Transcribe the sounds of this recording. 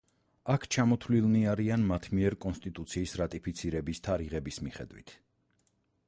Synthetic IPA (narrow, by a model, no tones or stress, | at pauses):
akʰt͡ʃʰamɔt̪ʰlilˠniaɾianmat̪ʰmiɛɾkʼɔnst̪ʼit̪ʼut̪sʰiːsɾat̪ʼipʰit̪sʰiɾɛbist̪ʰaɾiʁɛbismiχɛ̰d̪wḭt̪ʰ